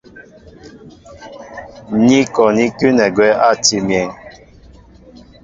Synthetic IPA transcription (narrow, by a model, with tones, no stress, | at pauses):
ni˦kɔ˨ni˦ky˦nɛ˨ɡwɛ˦a˦˨ti˦mjɛ˨ŋ